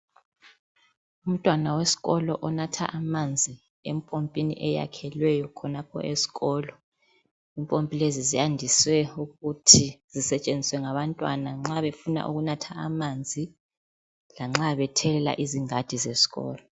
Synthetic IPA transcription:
um̩tʼwanawesi̥ɣɔlɔʔɔnatʰa̰ʔamand͡zʱi | empʼompʼinḭʔɛja̰kʰɛlwɛjɔkʰɔnapʰɔ̰ʔesi̥ɣɔːlɔ | impʼompʼilezizijandʱiswɛuɣutʰiz̥isɛt͡ʃʼend͡zʱiswɛŋaβantʼwa̰naŋ͡ǁaβefuna̰ʔuɣunatʰaamand͡zʱi | laŋ͡ǁaβɛtʰɛlɛla̰ʔiziŋad̥ʱizesi̥ɣɔ̰ːlɔ

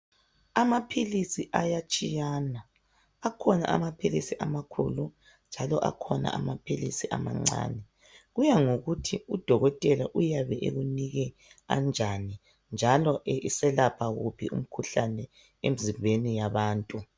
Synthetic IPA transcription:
amapʰilisiʔajat͡ʃʼijanaː | kʰɔna̰ʔa̰mapʰilisiʔamakʰṵlu | nd͡ʒʱalɔʔa̰kʰɔna̰ʔa̰mapʰilisiʔa̰ma̰ŋ͡ǀa̰ːnɛ | ɣujaŋoɣutʰiud̥ʱɔɣɔtʼɛlaʔujaβɛʔḛɣuniɣɛ | a̰nd͡ʒʱani | nd͡ʒʱalɔʔeʔisɛlapʰaɣupʰiṵm̩kʰuɬanɛ | ḛmizimbʱenijaβaːntʼu

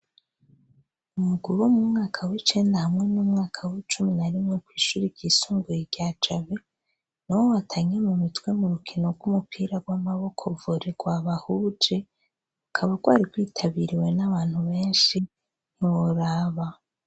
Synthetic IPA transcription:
umuɡuɾomumŋaːkʰawit͡ʃe̞ːndahamŋe̞numŋaːkʰawit͡ʃuminaɾimŋe̞kwiːʃuːɾiɡɟ̥isuːŋɡujiɟjaːt͡ʃaβe | nowowatʰaɲe̞mumutwe̞muɾukʰino̞ɡɡumupʰiɾaɡwamaβo̞kʰovoɾeɡ̥waβahuːd͡ʒe̞ | ukʰaβaɡwaːɾiɡwiːtʰaβiɾiwe̞naβaːn̥huβe̞ːnʃi | n̥iwoɾaːβa

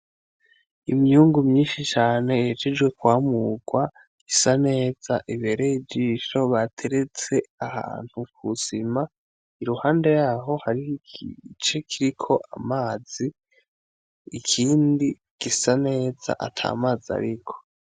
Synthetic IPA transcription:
imjuːŋɡumɲiːnʃit͡ʃaːne̞jed͡ʒed͡ʒwe̞kwaːmuɡwa | isane̞ːz̥aʔiβe̞ːɾeid͡ʒiʃo̞βatʰe̞ɾe̞t͡se̞aha̰ːn̥hukʰuz̥ima | iɾuhaːnde̞jaːɦo̞haɾiit͡ʃe̞kʰiɾikʰo̞ʔa̰maːz̥i | ikʰiːndi | ɡ̥isane̞ːza̰ʔa̰tʰa̰ːmaza̰ɾikʰo̥

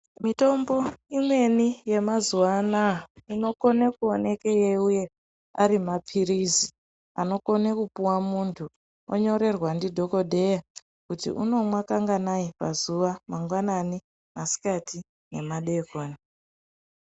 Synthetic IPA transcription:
mito̞mbo̞imwe̞nije̞mazuwanaino̞ko̞nekuone̞kejeuje̞ | aɾimapʰiɾizi | ano̞ko̞nekupuwamuntʰu | oɲo̞ɾe̞rwandidʱo̞ko̞dʱe̞ja | kutḭʔuno̞mwakaŋɡanaipazuʋamaŋɡwanani | masi̥katʰi | ne̞maɗekoːna

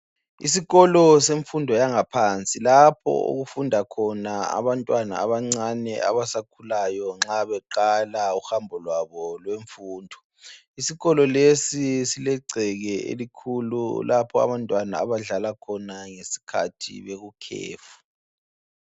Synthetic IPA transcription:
ḭsiɣɔlɔseɱfundʱɔjaŋapʰant͡sʼilapʰɔ̰ṵɣufundʱakʰɔnaa̰βantʼwana̰a̰βaŋ͡ǀanɛ̰a̰βasakʰulajɔŋ͡ǁaβɛǃalauhambʱɔlwaβɔlweɱfuːndʱɔ | isiɣɔlɔlesisilɛɡ͡ǀʱɛɣɛḛlikʰululʔapʰɔa̰βantʼwana̰aβaɮalakʰɔnaŋesi̥kʰa̰tʰḭβeɣukʰḛːfu̥

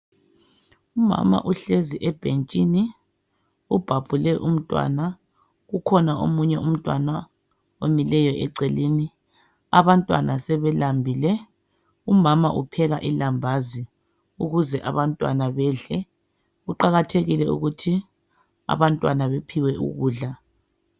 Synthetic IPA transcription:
uma̰ma̰ʔuɬeziʔɛb̥ʱent͡ʃʼini | ub̥ʱab̥ʱulɛʔum̩tʼwa̰na | ɣukʰɔnao̰muɲɛʔum̩tʼwa̰na | omilɛjɔʔɛǀɛliːni | aβantʼwa̰nasɛβɛlambʱilɛ | umamaʔupʰɛɣaʔilambʱazi | uɣuzɛʔaβantʼwa̰naβɛːɮɛ | ɣuǃaɣatʰeɣilɛṵɣutʰi | a̰βantʼwanaβepʰiwɛṵɣuːɮa

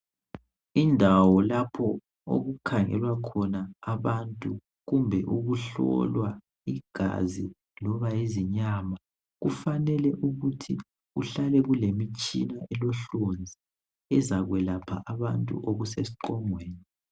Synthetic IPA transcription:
indʱawɔlapʰɔ | o̰ɣukʰaŋɛ̰lwakʰɔnaːβantʼu | ɣumbʱɛʔuɣuɬɔ̰lwa | iɡ̥ʱa̰zi | lɔβaeziɲama | ɣufanɛlɛʔuɣutʰi | ṵɬalɛɣulemit͡ʃʼḭnaɛlɔɬond͡zʱi | ɛzaɣwɛlapʰa̰ʔaβantʼṵʔoɣusesi̥ǃɔŋweːni

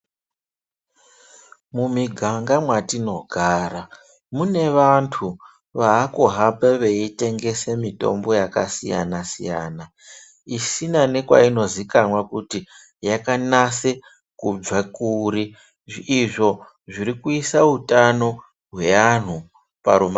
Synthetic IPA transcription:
mumiɡʱaŋɡamwatino̞ɡʱaːɾa | mune̞ʋantʰu | ʋaːkuɦapeʋeite̞ŋɡe̞semito̞̰mbo̞jaka̰sḭja̰nasḭja̰ːna | isinane̞kwa̰ino̞zikanwakuti | jakanase | kub͡vakuɾi | ʐːʐo̞ | ʐiɾikuisautano̞ | ɦwe̞an̤u | paɾuma

